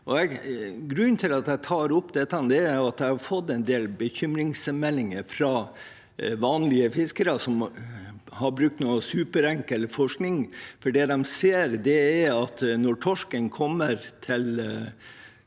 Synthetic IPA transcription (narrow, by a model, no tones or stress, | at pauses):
ʔɔɛɡɾʉnːt̪ʰɪlɑt̪̚d̪æɪt̪ʰɑːɾʊpd̪ɛt̪ːɑnd̪ɛæɾjʊɑt̪̚d̪æɪhɑɾfɔt̪ːɛnd̪eːlbəçʏmɾɪŋsmɛlːɪŋəɾfɾɑː | ʋɑːnlɪəfɪskəɾəsɔm | hɑɾbɾʉk̚t̪nuːəsʉːpəɾæŋkəlfɔʂknɪŋfɔɖɛd̪ɛmseːɾd̪ɛːɾɑt̪nɔʈʰɔʂkənkʰɔmːəɾt̪ʰɪl